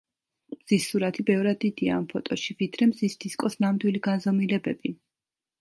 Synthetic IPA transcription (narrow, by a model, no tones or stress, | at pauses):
mz̥isːuɾat̪ʰibɛvɾad̪ːid̪ia̰ːmpʰɔt̪ʼɔʃivid̪ɾɛmzisd̪̥iskʼɔsnamd̪wiliɡanzɔmilɛbɛbi